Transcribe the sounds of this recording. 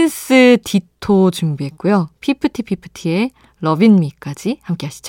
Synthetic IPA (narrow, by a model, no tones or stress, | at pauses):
ins͈ɯtʰitʰot͡ɕumbiɦe̞t̚k͈ujopʰipʰɯtʰipʰipʰɯ̥tʰie̞ | ɾʌbinmik͈ad͡ʑihamk͈e̞ɦaɕʰi̥d͡ʑo